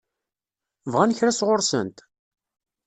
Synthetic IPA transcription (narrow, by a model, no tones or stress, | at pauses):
vʁænçɾæsʁoɾsə̰nt̪